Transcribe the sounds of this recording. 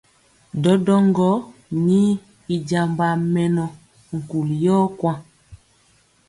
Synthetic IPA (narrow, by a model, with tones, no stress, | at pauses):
dɔ˨˦dɔ˦ŋɡɔ˦ni˦ | i˨d͡ʒa˨mba˨mɛ˨nɔ˨ | ŋ̩˨ku˨ljɔ˦kwã˦